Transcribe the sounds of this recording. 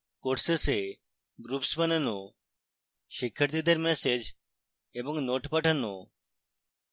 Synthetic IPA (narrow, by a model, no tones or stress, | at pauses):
koʈsese | ɡɾupsbɐnəno | ʃikʰːəɾt̪id̪ʱeɾmɛsed͡ʒ | ebɔŋnoʈpəʈʰano̰